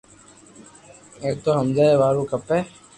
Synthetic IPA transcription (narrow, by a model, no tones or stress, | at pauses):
eːk̚t̪oːɦəmd͡ʒaːeːʋaːɾũːkəpɛː